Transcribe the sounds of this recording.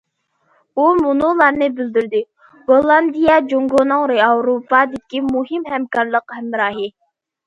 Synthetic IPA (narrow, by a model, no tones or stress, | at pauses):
umunʊlˠɑɾnɨbyld̪yɾd̪ɪ | bolˠɑnd̪ijɛd͡ʒoŋɡonɨŋɾeɑwɾopɑd̪ɪkʲimuɦɪmhɛmkɑɾlˠəqhɛmːɾɑːɦɪ